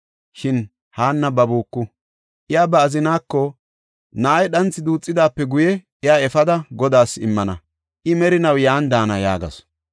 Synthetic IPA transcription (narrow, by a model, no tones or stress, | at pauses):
ʃɪn | haːnːɐbɐbuːkːʊ | ʔɪjaːbɐːzɪnaːkːɔ | naːjɛɗɐnt͡sːɪd̪uːt͡sʼːɪd̪aːpːɛɡʊjɛʔɪjaːɛfɐd̪ɐɡɔd̪aːsɪmːɐnɐ̰ | ʔɪmɛɾɪnɐwjaːnd̪aːnɐja̰ːɡɐ̰s